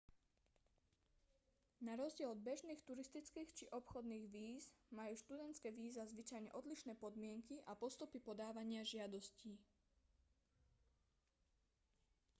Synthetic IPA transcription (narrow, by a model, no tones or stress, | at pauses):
naɾɔzɟɪɛlɔd̪̚bɛʒniːxt̪uɾist̪it͡skiːxt͡ʃiʔɔpxɔd̪niːɣʋiːzmajuːʃt̪ud̪ɛnt̪t͡skɛːʋiːzazʋit͡ʃajɲɛ̰ʔɔd̪liʃnɛːpɔd̪mɪɛŋkiʔapɔst̪upipɔd̪aːʋaɲɪaʒɪad̪ɔsciː